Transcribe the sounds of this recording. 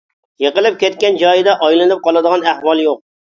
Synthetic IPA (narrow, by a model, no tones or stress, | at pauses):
jəqəlˠɪp̚kʲʰɛt̪̚kʲɛnd͡ʒɑjd̪ɛʔɑjlˠɨnɨp̚qʰɑlˠɨd̪əʁɑnæhwɑlˠjoq̚